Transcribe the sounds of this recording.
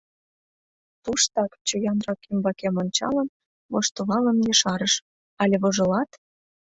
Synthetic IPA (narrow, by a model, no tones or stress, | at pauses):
t̪uʃt̪ɑkt͡ɕojɑnrɑkymbɑkemonʲt͡ɕɑ̰lə̆n | βoʃt̪oβɑlə̆njɤ̆ʃɑɾəʃ | ɑlʲeβoʒɤ̆lɑt̪